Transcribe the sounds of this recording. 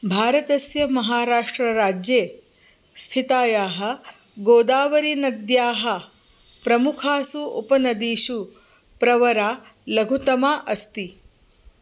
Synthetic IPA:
bʱaːɾɐt̪ɐsjɐmɐɦaːɾaːʂʈɾɐɾaːd͡ʒjeː | st̪ʰit̪aːjaːɦɐ̆ | ɡoːd̪aːʋɐɾinɐd̪jaːɦɐ̆ | pɾɐmukʰaːsuṵpɐnɐd̪iːʃu | pɾɐʋɐɾaːlɐɡʱut̪ɐmaːʔɐst̪i

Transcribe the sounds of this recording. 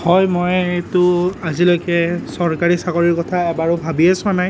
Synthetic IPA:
hɔjmɔjetʊazilojkɛsɔɹkaɹisakɔɹiɹkɔtʰaɛbaɹʊbʱabiasʊ̃anaj

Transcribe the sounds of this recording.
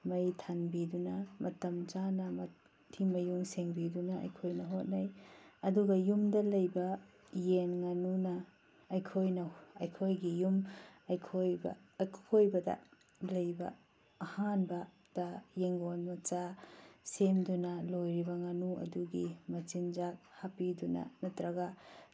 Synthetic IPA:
mɐjtʰanbidunɐmɐtɐmt͡ʃanɐmɐ | tʰimɐjuŋseŋbidunɐɐ̰jkʰojnɐɦot̚najɐduɡɐjumdɐlɐjbɐ | jenŋanunɐː | jkʰojnɐɐjkʰojɡijumɐjkʰojb̰kʰojbɐdɐ̰ | lɐjbɐ̰ː | hanbɐ | d̥ajeŋɡonmɐt͡ʃasemdunɐlojɾibɐŋanuɐ̰duɡimɐt͡ʃinzak̚hapidunɐ̰nɐtɾɐɡa

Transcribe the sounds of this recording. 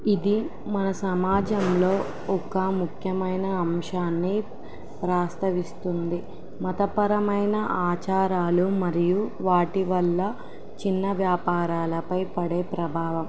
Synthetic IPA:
id̪i | mɐnɐsɐmaːd͡ʒɐmlo̞ː | ɔkɐmukʰjɐmɐjnɐːmʂaːnːi | pɾaːst̪ʰɐʋist̪und̪i | mɐt̪ɐpɐɾɐmɐjnɐʔaːt͡ʃaːɾaːlumɐɾijuʋaːʈiʋɐlːɐ | t͡ʃinːɐʋjaːpaːɾaːlɐpɐjpɐɽeːpɾɐbʱaːʋɐm

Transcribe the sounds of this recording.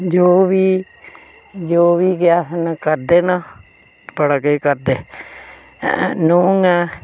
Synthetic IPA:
d͡ʒoːʋiː | d͡ʒoːʋiːɡɪjaːsənkəɾd̪eːnaː | bəɽaːkəiːkəɾd̪ḛː | nuːŋɛː

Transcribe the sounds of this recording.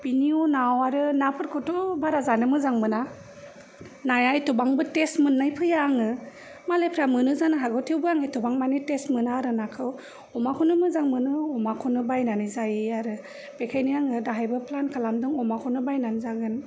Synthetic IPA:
piniɔnawaɾɯnapʰɯɾkʰɔtɔbaɾazanɯmɯzaŋmɯna | najajtubaŋbɯtestmɯnːajpʰɯjaŋɯ | malepʰɾamɯnɯzanɯɦaɡɔtʰiwbɯaŋɯjtʰubaŋmanitestmɯnaɾɯnakʰɯw | ɔmakʰɔnɯmɯzaŋmɯnɯɔmakʰɔnɯbajnanizajiaɾɯ | b̥ekʰajnijaŋɯdaɦajbɯpʰlankʰalamdɯŋɔmakʰɔnɯbajnanizaɡɯn

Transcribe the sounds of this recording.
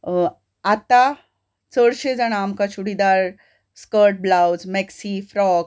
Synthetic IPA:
at̪a | t͡səɽɕed͡zaɽ̃aːmkat͡ɕuɽid̪aɾ | skəɾʈ̚blawd͡zmɛksifɾɔk

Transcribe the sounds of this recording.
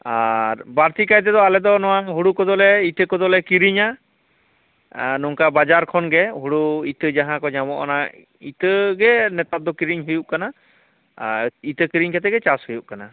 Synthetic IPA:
aɾbaɾt̪ikajt̪̬ɛd̪ɔalɛd̪ɔnɔwaɦuɽukɔd̪ɔlɛit̪əkɔd̪ɔlɛkiɾiɲa | nɔŋkabad͡ʒaɾkʰɔnɡɛɦuɽuit̪əd͡ʒaɦãkɔɲamɔʔɔ̰na | it̪əɡɛnɛt̪at̪̚d̪ɔkiɾiɲɦujuʔkana | it̪əkiɾiɲkʰɛt̪ɛɡɛt͡ʃashujuʔ̚kana

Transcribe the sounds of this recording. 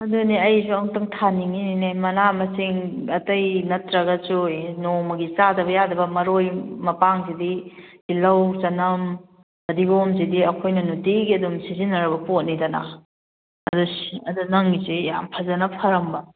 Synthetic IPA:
ɐduniɐjsuɐŋtɐŋtʰaniŋininemɐnamɐsiŋɐtɐjnɐtɾɐɡɐsunomɐɡit͡ʃadɐbɐjadɐbɐmɐɾojmɐpaŋzidibilɐwt͡ʃɐnɐm | ɐdiɡomzidiɐkʰojnɐnutiɡiɐdumsizinɐɾɐbɐpot̚nidɐna̰ | ɐdusɐdunɐŋɡisija̰mpʰɐzɐnɐpʰɐɾɐmbɐ

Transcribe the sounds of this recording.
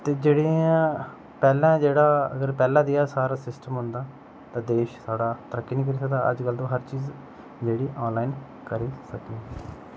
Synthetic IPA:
t̪eːd͡ʒeːɽiːã | pɛːlɛ̃ːd͡ʒeːɽaːəɡəɾpɛːlãːd̪ijaːsaːɾaːsɪsʈəmɦʊnd̪aː | t̪ãːd̪eːʃsaːɽaːt̪əɾəkːiːniːk̬əɾiːsək̚d̪aːʔə̰d͡ʒɡəld̪õːɦəɾt͡ʃiːz | d͡ʒeːɽiːʔɔːnlaːin | kəɾiːsəkiɛ

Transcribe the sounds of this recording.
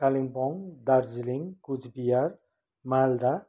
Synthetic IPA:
kaliŋpɔŋd̪aɾzliŋkud͡ʒbijaɾ | mald̪a

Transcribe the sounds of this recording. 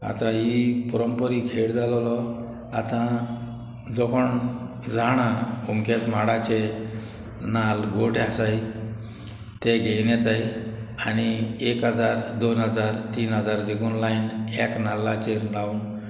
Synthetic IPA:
a̰t̪ãɦipɔɾəmpəɾikʰeɽd͡zallɔ | a̰t̪ã | d͡zɔkəɳ | d͡zʱaɽ̃aumkʰet͡smaɽat͡ɕe | nalɡoʈeasaj | t̪eɡʱejnɛt̪ajañiekɦəd͡zaɾd̪onɦəd͡zaɾt̪iːnɦəd͡zaɾd̪eɡunlainɛknalːat͡ɕeɾɖaun

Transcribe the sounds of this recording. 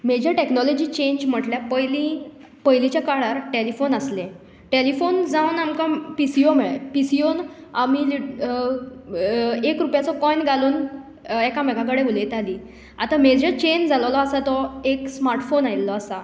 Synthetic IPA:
med͡ʑəʈeknɔlɔd͡ʑiːt͡ɕẽɲd͡ʑm̤əʈljapəjli | pəjlit͡ɕjakaɽaɾʈelifonəslẽ | ʈelifond͡zawnamkãpisijomɛpisijonamili | ekɾupjat͡sɔkɔjnɡʱaluːn | ɛkamɛkãkəɽẽʋulet̪ali | at̪amed͡ʑət͡ɕend͡zʱalʋlɔasat̪ɔeksmaɾʈfonajlːɔasa

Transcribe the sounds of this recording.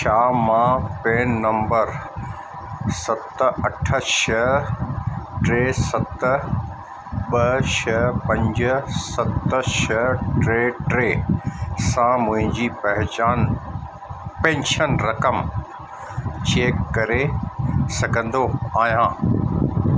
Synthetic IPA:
ʃaːmãpeːnːɐ̃mbəɾ | sɐt̪ɐʈʰə̆ʃɐɦ | ʈɾeːsɐt̪ | ɓɐʃɐɦpɐ̃ɲd͡ʑʊ̆sɐt̪ʃɐɦʈɾeːʈɾeːsãmʊ̃ɦɪ̃ɲd͡ʑiːpɐɦɪt͡ɕaːn | pẽːnʃənɾɐkəm | t͡ɕeːkːɐɾesɐɡʱə̃nd̪oaːɦijãː

